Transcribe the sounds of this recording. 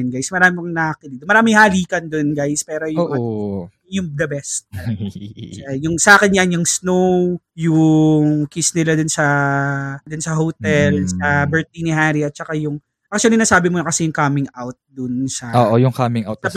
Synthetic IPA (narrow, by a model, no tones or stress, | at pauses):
nɡajsmɐɾaːmɪmoŋnɐʔakɪlid̪omɐɾaːmɪŋhaːliːkɐnd̪onɡajspɛːɾojo | jʊŋd̪ɐbɛst̪̚ | t͡ʃjʊŋsɐʔaːkɛnjanjʊŋsnow | jʊŋkisnɪlad̪ʊnsɐ | d̪ʊnsɐɦot̪ɛlsɐbɛɹt̪̚inɪɦaɾiɐt̪̚t͡ʃɐkajʊŋ | ʔak̚t͡ʃʊuɐlinaːsaːbɪmonɐkɐsɛjʊŋkamɪŋʔawt̪̚d̪ʊnsɐʔoʔojʊŋkamɪŋʔawt̪